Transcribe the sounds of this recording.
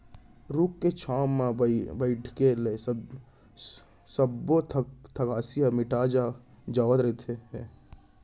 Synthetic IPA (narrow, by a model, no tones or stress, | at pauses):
ɾukːet͡ʃʰaːmːabəɪʈʰkele | səbot̪ʰt̪ʰəkaːsijamɪʈaːd͡ʒa | d͡ʒaːʋət̪ɾəɦt̪ʰeɦɛ